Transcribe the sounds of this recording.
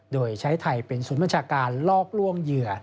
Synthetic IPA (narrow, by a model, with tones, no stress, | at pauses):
doː˧jt͡ɕʰa˦˥jt̪ʰa˧jpe˧nsuː˩˦nba˧nt͡ɕʰaː˧kaː˧nlɔː˥˩k̚lu˥˩əŋjɯ˨˩ɐ